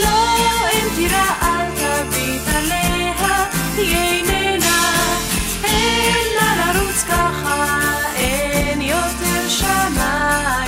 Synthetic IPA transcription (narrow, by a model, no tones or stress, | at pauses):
loɛnt̪iɾaʔalt̪avit̪alɛɦat̪ijɛjnɛna | ɛlanaɾut͡skaχa | enjot̪ɛɾʃamaj